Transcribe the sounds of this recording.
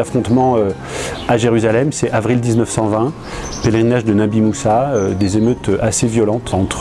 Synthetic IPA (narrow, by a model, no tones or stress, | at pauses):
afχɔ̃t̪mɑ̃ø | aʒeʁyzalɛmsɛavʁild̪iznœfsɑ̃vɛ̃ | peleʁinaʒd̪ənabimusaød̪ezemøt̪øʔasevjɔlɑ̃t̪ʰɑ̃t̪χ